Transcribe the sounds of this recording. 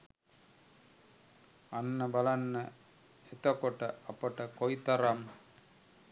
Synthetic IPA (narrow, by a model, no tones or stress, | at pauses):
anːɐbɐlɐnːɐ | et̪okoʈɐɐpɐʈɐkojt̪ɐɾam